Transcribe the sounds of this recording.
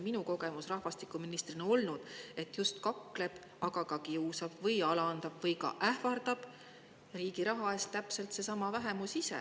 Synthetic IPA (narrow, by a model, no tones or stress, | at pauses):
minuko̞ɡ̥e̞musrɑhvɑst̪ikːˑuminist̪rinɑo̞lnud̪̥e̞t̪ːˑjust̪kɑkːˑle̞b̥ | ɑɡ̥ɑkɑkiusɑb̥vɤjɑlɑnd̪ɑb̥vɤjkɑ̰ʔæhvɑrd̪̥ɑb̥ | riːɡiɾɑɦɑe̞st̪æpse̞lt̪se̞sɑmɑvæɦe̞musisḛ